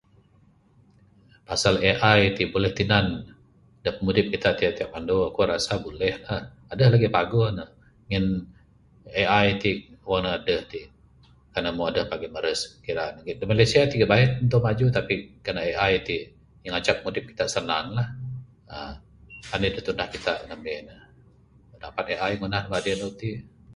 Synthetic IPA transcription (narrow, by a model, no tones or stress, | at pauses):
pasaleʔajt̪ibolɛht̪inan | dəhpəmudɪp̚kit̪aʔt̪iaʔt̪iaʔ̚mandoakoɾasabolɛhlah | adəhlaɡipaɡʊnəh | ŋən | eajt̪iwanəadəht̪iʔ | karnamaadəhpaɡiməɾəskəkiɾanɡidəmalasiat̪iɡaʔbaət̪̚ənt̪̬ʊʔmad͡ʒut̪apikanaeʔajt̪iʔ | jaŋat͡ʃap̚əmudɪp̚ki̥t̪aʔsənanlah | ə | anədəht̪undahkit̪aʔŋamenə | ədapat̪̚eʔajŋunahnəbadədot̪iʔ